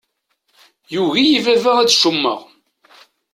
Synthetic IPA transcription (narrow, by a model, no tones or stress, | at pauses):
juʝijivævæʁæt͡sːʃumːə̰ʁ